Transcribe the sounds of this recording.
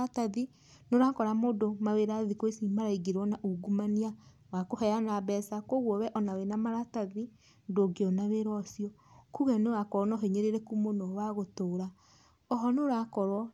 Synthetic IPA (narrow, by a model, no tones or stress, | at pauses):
ataði | noɾakɔɾamodomaweɾaðikoesimaɾaiɡeɾwɔnaʔuɡumania | wakohɛjanabɛsakoɣwɔβɛʔɔnawenamaɾataði | ndoɡeɔnaβeɾɔsiɔkuɣɛnewakɔnɔɦeɲeɾeɾekumonɔwaɣotoːɾa | ɔɦɔnoɾakɔɾwɔ